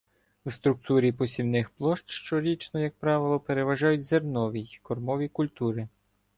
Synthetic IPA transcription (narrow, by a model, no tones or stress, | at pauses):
wst̪ɾʊk̚t̪uɾʲipɔsʲiwnɪxplˠɔʃt̪ʃt͡ʃɔɾʲit͡ʃnɔjɐk̚pɾɑʋɪlˠɔpeɾeʋɐʒɑjʊtʲzernɔʋʲikɔrmɔʋʲikʊlʲt̪uɾɪ